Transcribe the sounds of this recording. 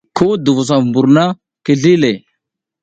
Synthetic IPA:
kʰo˦du˨vu˨s̬a˨vmbu˨ɾna˦ | ki˨ɮi˦le˨

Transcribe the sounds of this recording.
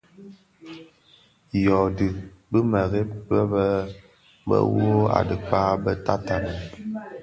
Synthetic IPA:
jɔ˨dɨ˨bɨ˦mə˨ɣe˦bə˦bə˦ | bə̰˦wo˦a̰˨dɨ˨k͡paː˦bə˦ta˦ta˨nə˨

